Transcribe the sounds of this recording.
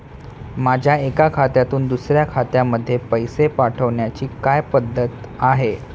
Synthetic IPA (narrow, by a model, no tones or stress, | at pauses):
mad͡ʑʱjaekakʰat̪jat̪uːnd̪usɾjakʰat̪jaməd̪ʱːjepəjsepaʈʰəʋɳjat͡ɕiːkajpəd̪ʱːət̪aɦe